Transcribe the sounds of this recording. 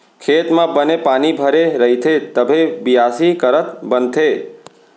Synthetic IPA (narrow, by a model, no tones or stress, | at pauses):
kʰet̪mãbənepanibʱəɾeɾəɦit̪ʰet̪əbʱebijasikəɾət̪bənt̪ʰe